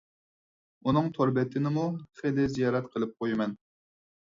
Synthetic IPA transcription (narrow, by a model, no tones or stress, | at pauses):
unɨŋt̪ʰoɾbɛt̪ʰɪnɪmuχed̪ɪzijɑːɾɛt̪qʰəlˠɨp̚qʰojɪmɛn